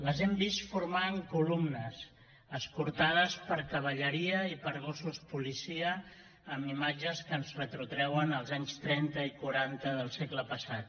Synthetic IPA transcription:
ləzɛmbist̪fuɾmaŋkulumnəs | əskuɾt̪að̞əspəɾkəβ̞əʎəɾiəipəɾɣ̞osuspulisiəː | mimad͡ʒəskənzrət̪ɾut̪ɾɛwənəlˠzaɲst̪ɾɛnt̪əikuɾant̪əðəlˠsekləpəsat̪̚

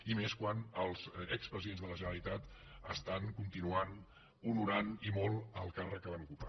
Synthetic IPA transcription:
imeskwanəlˠzɛkspɾəziðenzðələʒənəlit̪at̪ | əst̪aŋkunt̪inuan | unuɾanimɔlˠəlˠkarək̚ːəβanukupa

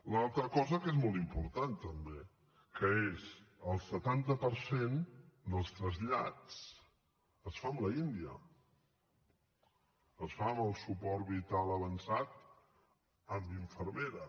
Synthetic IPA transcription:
lalˠt̪ɾəkɔzəkezmɔlˠt̪impuɾt̪ant̪əmbe | kəezəlˠsət̪ant̪əpəɾsend̪əlˠst̪ɾəzʎa̰t͡s | əsfamləind̪iə̰ | əsfaməlˠsupɔɾβit̪alˠəβənsat̪ | əmbiɱfəɾmeɾə

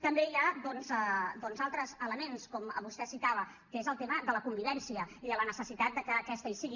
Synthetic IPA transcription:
t̪əmbeiaðɔnzəd̪ɔnzalˠt̪ɾəzələmenskɔmβust̪ɛsit̪aβ̞ə | kezəlˠt̪eməðələkumbiβɛnsiəiðələnəsəsit̪at̪̚d̪əkəːkɛst̪əisiɣi

